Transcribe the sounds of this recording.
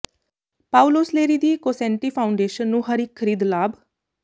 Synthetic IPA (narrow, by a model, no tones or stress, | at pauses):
paːʊloːsleːɾiːd̪iːkoːsɛ̃ːɳʈiːpʰaːʊɳɖeːʃənːũːɦəɾiːkʰːəɾiːd̪laːb